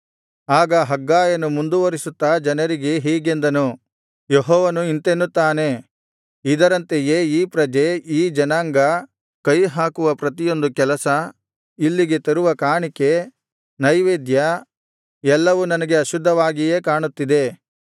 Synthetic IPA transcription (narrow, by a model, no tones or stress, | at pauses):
aːɡɐɦɐɡːaːjɐnumund̪uʋɐɾisut̪ːɐd͡ʒɐnɐɾiɡe̞ɦiːɡe̞nd̪ɐnu | jeɦɔːʋɐnuint̪enːut̪ːaːne̞ | id̪ɐɾɐnt̪ejeːiːpɾɐd͡ʒeiːd͡ʒɐnaːŋɡɐ | kɐjɦaːkuʋɐpɾɐt̪ijo̞nd̪ukɛlɐsɐ | ilːiɡe̞t̪ɐɾuʋɐkaːɳike̞ | nɐjʋeːd̪jɐ | ɛlːɐʋunɐnɐɡe̞ɐʃud̪ʱːɐʋaːɡije̞ːkaːɳut̪ːid̪e̞